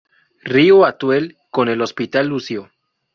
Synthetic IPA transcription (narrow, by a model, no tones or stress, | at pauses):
rioat̪wel | kone̞lo̞spit̪alːusjo